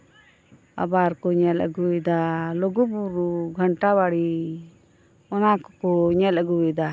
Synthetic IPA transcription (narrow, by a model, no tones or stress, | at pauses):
a̰baɾkɔɲɛla̰ɡuɛd̪alɔɡubuɾuɡʱaɳʈawaɽi | ɔnakɔkɔɲɛlaɡuɛd̪a